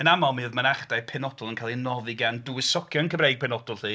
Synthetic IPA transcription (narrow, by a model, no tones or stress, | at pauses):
ənamalˠmɨðmənaχd̥ajpʰɛnɔdʊlˠənkʰaːlˠinɔvɨɡandʊwɪsɔkʰjɔənkʰəbrejɡ̚pʰɛnɔdʊlˠhiː